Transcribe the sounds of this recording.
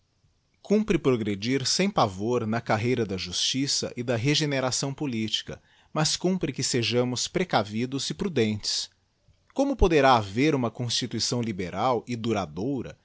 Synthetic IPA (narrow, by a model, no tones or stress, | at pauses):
kũpɾɪpɾoɡɾed͡ʒiɾsẽj̃pavoɾnɐkaɦejɾɐd̪ɐʒust͡ʃisɐ̰ʔɪd̪ɐɦeʒeneɾasɐ̃w̃polit͡ʃi̥kɐ̰ | mɐskũpɾɪkɪseʒɐ̃mʊspɾekavid̪ʊzɪpɾud̪ẽnt͡ʃɪ̥s | kõmʊpod̪eɾaːveɾũmɐkõst͡ʃit̪uisɐ̃w̃libeɾawɪd̪uɾad̪owɾɐ̰